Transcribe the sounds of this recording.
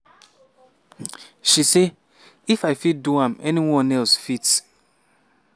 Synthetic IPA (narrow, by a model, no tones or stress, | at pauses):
ʃise | ifaɪfit̚duãmɛniwɔ̃nɛlsfit